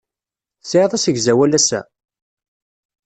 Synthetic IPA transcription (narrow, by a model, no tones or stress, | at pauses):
sʕiðˤæsəɡzæwælæsæ̰